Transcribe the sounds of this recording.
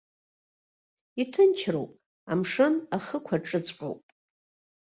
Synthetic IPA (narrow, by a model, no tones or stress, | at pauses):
itʰɨnt͡ʃʰrowpʼ | amʂɨnaχəkʷʰaʈ͡ʂʼɨt͡sʼħʷʼo̰wpʼ